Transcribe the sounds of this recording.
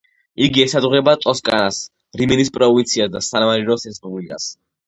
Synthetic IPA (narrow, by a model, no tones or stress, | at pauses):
iɡiɛsad̪ʁɛbat̪ʼɔskʼa̰nas | ɾimɛnispʼɾɔvint̪sʰiasd̪asanmaɾiɾɔsɛspʼublikʼa̰s